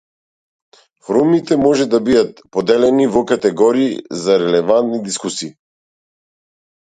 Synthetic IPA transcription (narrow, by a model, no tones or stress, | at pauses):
fɾumit̪ɛmɔʒɛd̪abid̪at̪̚pɔd̪ɛlɛnivɔkat̪ɛɡɔɾiːzaɾɛlɛvant̪nid̪iskusiː